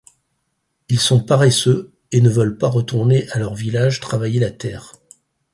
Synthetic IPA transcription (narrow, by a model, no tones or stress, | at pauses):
ilsɔ̃paʁɛsø | enəvœlpaʁət̪uʁneʔalœʁvilaʒt̪χavajelat̪ɛːʁ